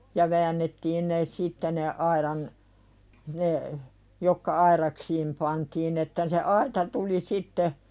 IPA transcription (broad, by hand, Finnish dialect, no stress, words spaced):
jɑ ʋæːnːetːiːn ne sitːe ne ɑiɾɑn ne jokːɑ ɑirɑksiːm pɑntiːn etːæ se ɑitɑ tuli sitːe